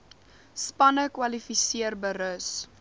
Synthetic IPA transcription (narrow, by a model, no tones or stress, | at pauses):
spɐnəkwɐlifisiərbəɾəs